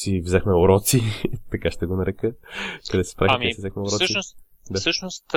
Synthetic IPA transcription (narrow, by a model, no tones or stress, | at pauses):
sivzɛxmɛʊɾɔt̪sit̪ɐkaʃt̪ɛɡonɐɾɛkəkɐd̪ɛsi̥spɾaxmɛsivzɛxmɛʊɾɔsəʃios | d̪asəʃnost̪